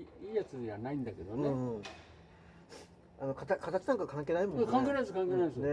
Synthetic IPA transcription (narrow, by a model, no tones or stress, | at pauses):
iːjat͡sɨanaĩnd̪ake̞d̪onɯẽɯ̃ | anokat̪akat̪at͡ɕinãŋkakãŋk̬ʲe̞ːnaimõnkãŋkeːnaskãŋkenasne